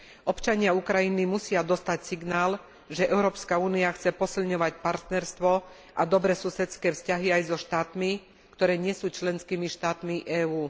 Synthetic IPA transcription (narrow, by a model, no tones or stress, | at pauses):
ʔɔpt͡ʃaɲɪaukɾajinimusɪad̪ɔst̪acsiɡnaːl | ʒɛʔɛʊɾɔːpskauːniaxt͡sɛpɔsilɲɔʋacpaɾt̪nɛɾst̪ʋɔ | ʔad̪ɔbɾɛsusɛt͡skɛːfscaɦiajzɔʃt̪aːt̪mi | kt̪ɔɾɛːɲɪɛsuːt͡ʃlɛnskiːmiʃt̪aːt̪miʔɛːuː